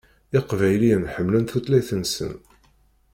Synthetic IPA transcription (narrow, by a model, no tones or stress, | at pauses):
ɪqvæjlinħəmːlənθut̪læjθənsə̰n